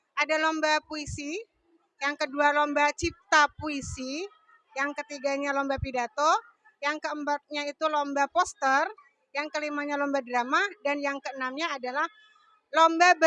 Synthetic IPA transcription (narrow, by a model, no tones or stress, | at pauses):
ʔadalɔmbapuisi | jaŋkədualombat͡ʃip̚t̪apuisi | jaŋkət̪iɡaɲalɔmbapidat̪o | jaŋkəəmbat̪̚ɲait̪ulombapɔst̪ər | jaŋkəlimaɲalɔmbadəɾamadanjaŋkəənamɲaːdalah | lɔmbab